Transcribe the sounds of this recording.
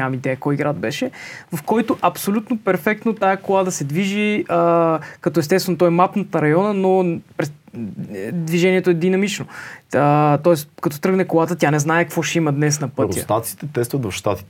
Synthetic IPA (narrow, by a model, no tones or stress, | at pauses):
amid̪ɛjəkɔjiɡɾad̪̚bɛʃɛvɐfkɔjt̪oʔɐpsolʲut̪nopɛɾfɛk̚t̪not̪ajəkolˠad̪əsɛd̪viʒiəkɐt̪ɔɛst̪ɛst̪vɛnot̪ɔɛmapnət̪əɾɐjɔnənopɾɛ | d̪viʒɛniɛt̪oɛd̪inɐmit͡ʃnoət̪ɔɛskɐt̪ɔt̪ɾɤɡnɛkolˠat̪ət̪ʲjanɛznaɛkvɔʃɛiməd̪nɛsnɐpɤɾʲjəst̪at̪sit̪ɛt̪ɛst̪vəd̪vɐfʃt̪at̪i̥t̪ɛ